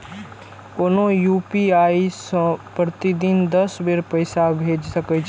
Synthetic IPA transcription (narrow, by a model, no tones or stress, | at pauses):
koːnõjuːpiaːisə̃pɾət̪id̪ind̪ɐsʋeɾpəɪsabʱeːd͡ʒsɐkət͡ʃʰ